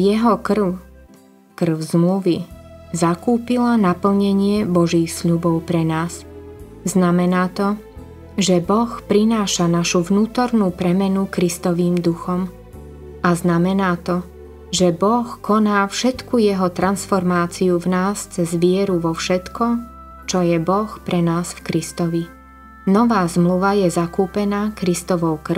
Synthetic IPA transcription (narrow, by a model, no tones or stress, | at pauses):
jɛɦɔkr̩ʊ | kr̩ʊzmluʋizakuːpilanapl̩ɲɛɲɪɛbɔʒiːxsʎubɔʊpɾɛnaːs | znamɛnaːt̪ɔ | ʒɛbɔxpɾinaːʃanaʃuvnuːt̪ɔɾnuːpɾɛmɛnukɾist̪ɔʋiːmd̪uxɔm | aznamɛnaːt̪ɔ | ʒɛbɔxkɔnaːfʃɛt̪kujɛɦɔt̪ɾʔansfɔɾmaːt͡siuvnaːst͡sɛzʋɪɛɾuʋɔfʃɛt̪kʰɔ | t͡ʃɔjɛbɔxpɾʔɛnaːsfkɾist̪ɔʋi | nɔʋaːzmluʋajɛzakuːpɛnaːkɾist̪ɔʋɔʊkr